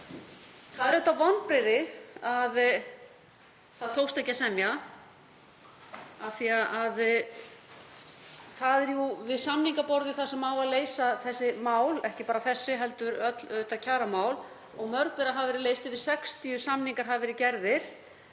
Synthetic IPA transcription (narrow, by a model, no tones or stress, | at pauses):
θaðɛɾʏht̪avɔnːpɾeɾɪað | θaðt̪ʰoːwst̪ɛhcːasɛmja | aθiaʔað | θaðɛɾjuvɪðsamniŋkapɔɾðɪθasɛmaːwvaðleːjsaθɛsːɪmaːwlɛhcɪpaːɾaθɛsːɪɦɛlt̪ʏɾœt̪lœht̪acʰaːɾamaːwl | ɔɣmœɾkvɛɾaɦavvɛːɾɪleːjst̪ɪvɪsɛkst̪ʰiʏsamniŋkaɾ̥ɦavvɛɾɪcɛɾðɪɾ̥